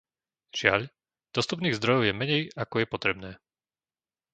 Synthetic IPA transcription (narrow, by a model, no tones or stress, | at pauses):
ʒ̥ɪa̰ʎ | d̪̥ɔst̪up̬niːɣzd̪ɾɔjɔʊjɛmɛɲɛjakɔjɛpɔt̪ɾɛbnɛː